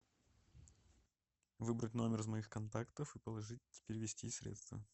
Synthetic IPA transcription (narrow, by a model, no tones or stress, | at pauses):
vɨbɾətʲno̞mʲɪrɨzmɐixkɐnt̪akt̪əfɨpəlˠɐʐɨt̚ʲːɪ̥pʲeɾʲɪvʲɪsʲtʲisʲɾʲḛt̪st̪və̰